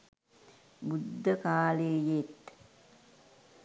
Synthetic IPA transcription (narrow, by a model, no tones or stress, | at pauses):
bud̪ːəkaːleːjet̪